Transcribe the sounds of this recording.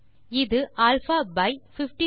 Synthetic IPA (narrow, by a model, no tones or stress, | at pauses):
ɪðɯʔaːlfaːbɐɪfɪfʈi